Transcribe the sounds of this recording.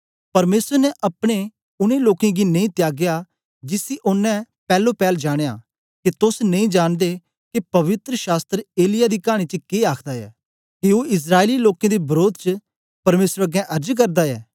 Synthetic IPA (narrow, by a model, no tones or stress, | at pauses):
pɐɾmeːsəɾnɛʔɐpɽ̃e | ʊnẽloːkẽɡinẽĩt̪jaːɡɪja | d͡ʒɪsiʔʊnːɛ̃ | pɛːlopɛːld͡ʒaːɽ̃ejaː | kit̪ʊsnẽĩd͡ʒaːɽ̃d̪e | kipɐʋɪt̪ɾəʃaːst̪ɾeːlɪjad̪ikaːɽ̃it͡ʃəkeaːkʰd̪aɛ̰ː | kiuɪs̬ɾaːeliloːkẽd̪ibɐɾoːd̪ʱt͡ʃə | pɐɾmeːsɾɐɡɛ̃ʔɐɾd͡ʒk̬ɐɾd̪aɛː